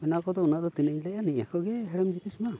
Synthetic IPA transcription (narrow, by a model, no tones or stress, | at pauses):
mɛnakɔd̪ɔunaʔd̪ɔt̪inəɲlɛʔaniɲa̰kɔɡɛɦɛɽɛmd͡ʒit̪isma